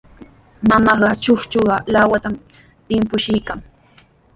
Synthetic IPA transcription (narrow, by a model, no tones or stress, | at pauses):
mamɑɢɑt͡ʃʊχt͡ʃoɢɑlawat̪am | t̪ɪmpʊʃɪjkaŋ